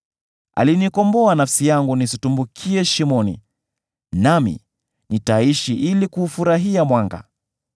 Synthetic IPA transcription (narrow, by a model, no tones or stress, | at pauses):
a̰linikɔmbɔanafsijaŋɡunisitumbukʰiɛʃimɔnḭ | namḭ | nitaiʃiʔilikuːfuɾaɦiamwaŋɡa̰